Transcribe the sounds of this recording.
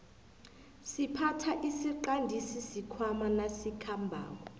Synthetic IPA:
sipʰatʰaʔisiǃandʱisisikʰwamanasikʰambʱa̰ːŋɔ

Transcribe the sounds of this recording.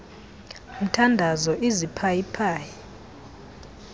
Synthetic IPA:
m̩tʰandʱazɔʔizipʰajipʰaːji

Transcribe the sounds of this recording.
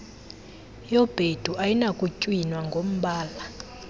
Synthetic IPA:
jɔb̥ʱed̥ʱuʔajinakʼucʼwinwaŋɡʱom̩ɓaːla

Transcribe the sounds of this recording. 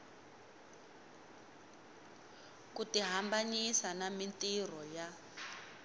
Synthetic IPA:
kutiɦambaɲisanamintir̤ɔja

